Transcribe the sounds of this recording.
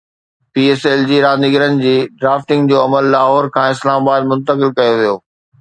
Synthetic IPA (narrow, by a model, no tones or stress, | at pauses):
piːeːseld͡ʑiːɾãːnɪɡəɾənɪ̆d͡ʑiːɖɾaːfʈɪ̃ŋɡd͡ʑoːɐməlːaːɦɔːɾkʰãːɪslaːmabaːd̪̚mʊ̃nt̪əkɪlkɐjoʋijoː